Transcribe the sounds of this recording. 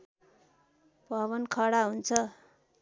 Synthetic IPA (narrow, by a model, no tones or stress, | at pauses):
bʱʌβʌnkʰʌɽaɦunt͡sʰʌ